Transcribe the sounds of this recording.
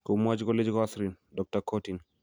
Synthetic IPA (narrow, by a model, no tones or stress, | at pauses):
komuad͡ʒkɔled͡ʒkɔasɾin | dɔk̚takʰotin